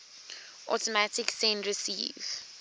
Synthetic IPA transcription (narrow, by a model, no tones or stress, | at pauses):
ʔɔ̰tɔmatiksɛ̃ndɹisḭːv̥